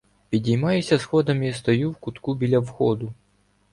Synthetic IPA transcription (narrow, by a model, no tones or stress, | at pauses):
pʲidʲijmɑjʊsʲɐsxɔd̪ɐmjast̪ɔjuwkʊt̪kubʲilʲɐwxɔd̪ʊ